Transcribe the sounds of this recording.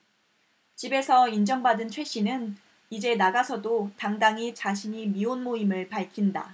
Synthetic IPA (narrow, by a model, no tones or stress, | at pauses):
t͡ɕibe̞sʰʌind͡ʑʌŋbadɯnt͡ɕʰwe̞ɕ͈inɯn | id͡ʑe̞naɡasʰʌdotaŋdaŋit͡ɕaɕʰiɲimionmoimɯɭpaɭkʰinda̰